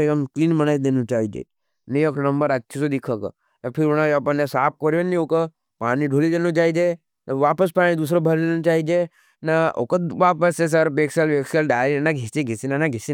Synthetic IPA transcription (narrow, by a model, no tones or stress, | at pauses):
eəmkliːnbənajid̪enũt͡ʃaːid͡ʒḛ | nijoknəmbəɾətːʃʰisod̪ikʰəkə̰ | apʰiɾunad͡ʒɐpənːesaːp̚ʰkɔɾjonːĩokə | paːnĩɖʱolid̪enut͡ʃaːid͡ʒe | ʋaːpəs̬paɽ̃id̪usɾobʱəɾlenõt͡ʃaːid͡ʒe | nao̰kəʋaːpəses̬əɾpeksalʋeksəlɖaːɾinaɡʱisiɡʱisinanaɡʱisi